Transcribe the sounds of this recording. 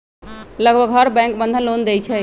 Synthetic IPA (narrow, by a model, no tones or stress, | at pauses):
ləɡbʱəɡɦəɾbɛ̃ŋkbənd̪ʱənlond̪ejt͡ʃʰɛ